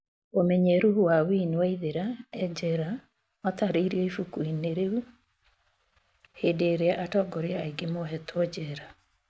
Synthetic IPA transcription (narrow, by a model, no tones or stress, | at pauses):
omɛɲɛɾuhuwawinewaiðeɾaɛd͡ʒɛɾa | mataɾeiɾiɔifukuineɾeu | hedeɾeaʔatɔɡɔɾeaːiɡemoɦɛtɔd͡ʑɛɾa